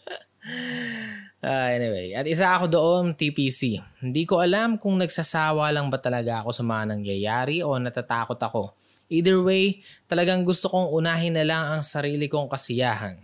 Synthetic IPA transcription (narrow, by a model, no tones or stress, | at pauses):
ʔaʔɛnɪwḛjʔɐt̪̚ʔɪs̬aʔɐko̞d̪oʔo̞nt̪ipisihɪnd̪iːko̞ʔɐlamkʊŋnɐɡ̚sɐsaːwɐlɐŋbɐt̪ɐlɐɡaʔɐko̞sɐmɐŋanɐŋjɐjaːɾɪʔo̞nɐt̪ɐt̪aːko̞t̪ɐko̞ | ʔiːd̪ɛɹwejt̪ɐlɐɡaŋɡʊst̪o̞ko̞ŋʔʊnaːɦɪnːɐlaŋɐŋsɐɾiːlɪko̞ŋkɐsɪjaːɦɐ̰n